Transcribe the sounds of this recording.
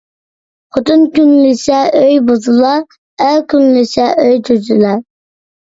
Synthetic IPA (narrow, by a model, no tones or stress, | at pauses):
qʰot̪ʰunkʲynlɪsɛøjbozɨlˠɑː | kʲynlɪsɛʔøjt̪ʰyzylɛ